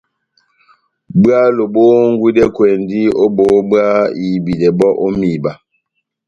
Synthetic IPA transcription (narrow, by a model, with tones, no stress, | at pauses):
bɰa˦lo˨bo˦ŋ̩˦ɡwi˦dɛ˦kwe˨ndi˦o˦bo˨˦ba˦i˨bi˨dɛ˨bɔ˦ʔo˦mi˨ba˦